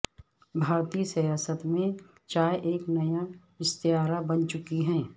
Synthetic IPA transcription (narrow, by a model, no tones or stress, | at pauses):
bʱaːɾt̪iːsɐjaːsət̪mẽ | t͡ʃaːeʔeːknɐja | ɪst̪iɦaːɾabɐnt͡ʃʊkiɦɛ̃ː